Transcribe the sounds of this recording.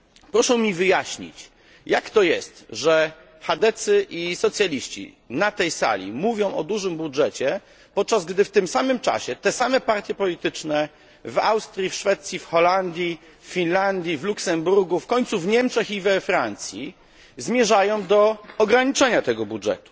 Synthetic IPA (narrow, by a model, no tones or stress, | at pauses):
pɾɔʂɛwmʲivɘjaɕɲḭt͡ɕ | jakt̪ɔjɛ̰st̪ʐɛ | xad̪ɛt̪sɘʔisɔt̪sʲjalʲiɕt͡ɕḭ | nat̪ɛjsa̰lʲḭmuvʲjɔ̃w̃ʔɔ̰d̪uʐɘmbudʐɛt͡ɕɛ | pɔt̪̚t͡ʂazɡd̪ɘft̪ɘmsamɘmt͡ʂa̰ɕɛt̪ɛsamɛpaɾt̪ʲjɛpɔlʲit̪ɘt͡ʂnɛ | va̰wst̪ɾʲjifʂfɛt̪sʲjifxɔland̪ʲji | fːʲinland̪ʲjivluksɛmbuɾɡufkɔɲt̪suvɲɛmt͡ʂɛxivɛfɾant̪sʲjḭ | zmʲjɛʐajɔ̃w̃d̪ɔɔɡɾaɲit͡ʂɛɲat̪ɛɡɔbudʐɛ̰t̪u̥